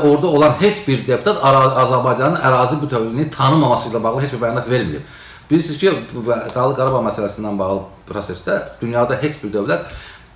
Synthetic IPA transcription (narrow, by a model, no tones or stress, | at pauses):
o̞ɾd̪ɑo̞lˠɑnhe̞t͡ʃbiɾd̪e̞pʰut̪ʰɑt̪ʰɑzæɾbɑjd͡ʒɑnɯnʔæɾɑːzibut̪ʰøvlinit̪ʰɑnɯmɑmɑslˠɯlˠɑbɑɣlˠɯet͡ʃbiɾbæjɑnɑt̪ve̞ɾmiɾḭb | b̥iisizcʰivd̪ɑɣlˠɯɡɑɾɑbɑmæsælæsinːænbɑɣlˠɯpʰɾo̞se̞sd̪æd̪̥ynjɑːd̪ɑɦe̞t͡ʃbiɾd̪ø̞vlæt̪